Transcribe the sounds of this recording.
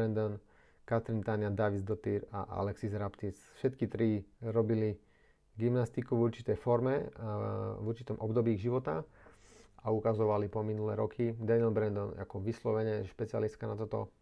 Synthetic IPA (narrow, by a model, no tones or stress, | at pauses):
ɛnd̪ɔn | kat̪ɾint̪anɪad̪aʋizd̪ɔt̪iɾa̰ʔa̰lɛksizɾapt̪isfʃɛt̪kit̪ɾiɾɔbili | ɡimnast̪ikuvuɾt͡ʃi̥t̪ɛjfɔɾmɛ | vuɾt͡ʃit̪ɔmʔɔbd̪ɔbiːɣʒiʋɔt̪a̰ | aukazɔʋalipɔminulɛːɾɔkʰid̪aniɛlbɾɛnd̪ɔna̰kɔʋislɔʋɛɲɛʃpɛt͡sia̰list̪̚kanat̪ɔt̪ɔ̰